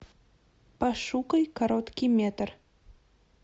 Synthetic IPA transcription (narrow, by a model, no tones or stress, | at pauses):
pɑʃukəjkaɾot̪kʲimʲet̪r